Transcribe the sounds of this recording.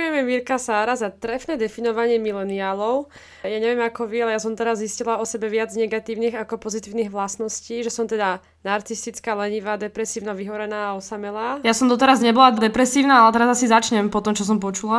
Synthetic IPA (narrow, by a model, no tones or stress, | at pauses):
ujɛmjɛmiɾkasaːɾazat̪ɾɛfnɛd̪ɛfinɔʋaɲɪɛmilɛniaːlɔʊ | jaːɲɛʋɪɛmakɔʋialɛjasɔmt̪ɛɾazziscilaɔsɛbɛʋɪad͡zɲɛɡat̪iːʊniːɣakɔpɔzit̪iːʊniɣʋlasnɔsciːʒɛsɔmt̪ɛd̪a | naɾt͡sist̪it͡skaːlɛɲiʋaːd̪ɛpɾɛsiːʊnaʋiɦɔɾɛnaːɔsamɛlaːjasɔmd̪ɔt̪ɛɾazɲɛbɔlad̪ɛpɾɛsiːʊnaalɛt̪ɛɾazasizat͡ʃɲɛmpɔt̪ɔmt͡ʃɔs̬ɔmp̬ɔt͡ʃula